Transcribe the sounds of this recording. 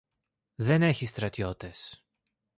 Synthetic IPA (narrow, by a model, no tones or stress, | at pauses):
ðe̞ne̞çist̪ɾɐt̪io̞t̪e̞s